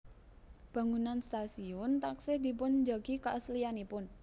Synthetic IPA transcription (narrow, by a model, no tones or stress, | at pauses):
b̥a̤ŋunanst̪asiʊnt̪aksɪhd̪̥i̤p̬ʊnd͡ʒaɡ̥ikaʔəslianipʊn